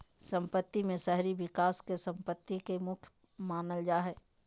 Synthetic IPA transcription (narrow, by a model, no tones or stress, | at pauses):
sə̃mpət̪ːimẽsɛɦɾibɪkaːskesə̃mpət̪ːikemʊkʰj | maːnəld͡ʒaːɦɛː